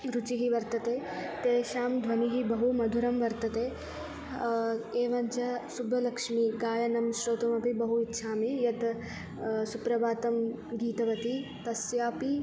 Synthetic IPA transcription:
ɾut͡ʃiɦiʋɐɾt̪ɐt̪eː | t̪eːʃaːmd̪ʱʋɐniɦibɐɦumɐd̪ʱuɾɐmʋɐɾt̪ɐt̪eː | eːʋɐɲt͡ʃɐsubʱɐlɐkʂmiːɡaːjɐnɐmʃɾoːt̪umɐpibɐɦuit̪ːʃʰaːmijɐt̪ | supɾɐbaːt̪ɐm | ɡiːt̪ɐʋɐt̪it̪ɐsjaːpi

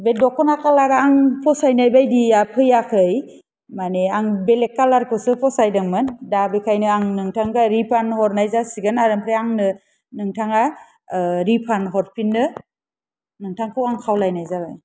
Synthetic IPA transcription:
bedɔkɔnakalaɾaŋpʰɔsajnajbajdiapʰɯjakʰɯj | maneaŋbelekːalaɾkʰɯsɯpʰɔsajdɯŋmɯndabekʰajnɯaŋnɯŋtʰaŋɡaɾipʰanhɔɾnajzasiɡɯnaɾɯmpʰɾeaŋnɯ | nɯŋtʰaŋa | ɾipʰanɦɔɾpʰinːɯ | nɯŋtʰaŋkʰɯwaŋkʰawlajnajzabaj

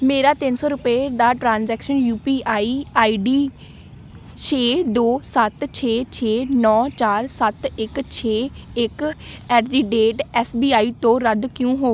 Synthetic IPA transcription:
meːɾaːt̪ɪnsɔːɾʊpeːd̪aːʈɾãːnzɛːkʃənjuːpiːʔaːiːaːiːɖiː | t͡ʃʰeːd̪oːsət̪t͡ʃʰeːt͡ʃʰeːnɔːt͡ʃaːɾsət̪ɪkt͡ʃʰeːɪkɛːɾɖiːɖeːʈɛːsbiːaːiːt̪õːɾəd̪kjõːɦoː

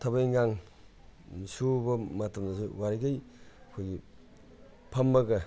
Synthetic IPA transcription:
tʰabajŋaŋ | subɐmɐtɐmdasuwaɾiɡajkʰojɡi | pʰambɐɡɐ

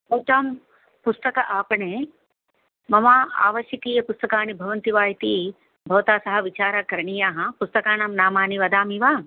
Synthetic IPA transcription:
uːt̪aːm | pust̪ɐkɐʔaːpɐɳeː | mɐmaːa̰ːʋɐʃjɐkiːjɐpust̪ɐkaːnibʱɐʋɐnt̪iʋaːjt̪iː | bʱɐʋɐt̪aːsɐɦɐ̆ʋit͡ʃaːɾɐkɐɾɐɳijaːɦɐ̆pust̪ɐkaːnamnaːmaːniʋɐd̪aːmiʋaː

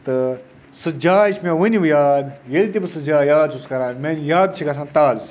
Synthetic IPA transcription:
t̪ɨ | sɨd͡ʒaːit͡ʃʰmẽʋɨniʋjaːd̪jelʲt̪ibɨsɨd͡ʒaːjaːd̪t͡ʃʰuskɐɾãːnmenjaːd̪t͡ʃʰikɐs̬ʰãːnt̪aːz

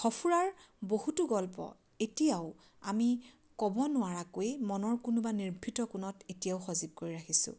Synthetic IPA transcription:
xɔpʰuɹaɹbohutuɡɔlpɔ̰ | etijaʊ | a̰mi | kɔbɔnʊwaɹakojmɔnɔɹkunʊbaniɹbʱitɔkʊnɔtetijaʊxɔzib̚koɹiɹaxisʊ̰̃

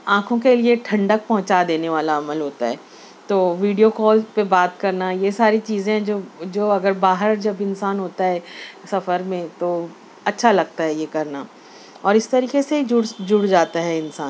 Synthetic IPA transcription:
ãːkʰõkelieʈʰɐ̃ɳɖək̚pɐɦʊ̃t͡ʃad̪eːneʋaːlaɐməlɦoːt̪aɦɛː | t̪oːʋiːɖijokɔːlpebaːt̪̚kɐɾnajesaːɾit͡ʃiːzẽɦɛ̃d͡ʒoːd͡ʒoːɐɡəɾbaːɦəɾd͡ʒɐbɪnsaːnɦoːt̪aɦɛːsɐfəɾmẽt̪oː | ɐtːʃʰalɐɡ̚t̪aɦɛjekɐɾna | ɔːɾɪst̪ɐɾiːkesed͡ʒʊɽd͡ʒʊɽd͡ʒaːt̪aɦɛɪnsaːn

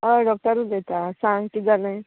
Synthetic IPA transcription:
əɖɔk̚ʈəɾũd̪et̪asãŋɡkid͡zalẽ

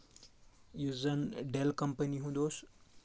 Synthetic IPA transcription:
juzənɖelkɐmpəniɦũd̪oːs

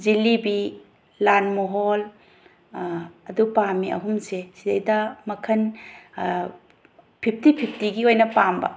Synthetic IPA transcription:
d͡ʒilibi | lanmoɦol | ɐdupamiʔɐ̰ɦumsesidejdɐmɐkʰɐn | pʰip̚ʰtipʰipʰtiɡiojnɐpambɐ̰

